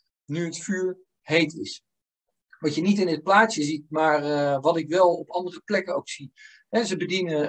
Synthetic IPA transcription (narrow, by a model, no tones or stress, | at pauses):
nyɦətfyːɹ | hejtɪ̰s | ʋɑtjənitɪnət̚plaːtsəzit̚maːɹʋɑtɪkʋɛlˠɔpɑndərəplɛkənowksi | ɦɛzəbədinə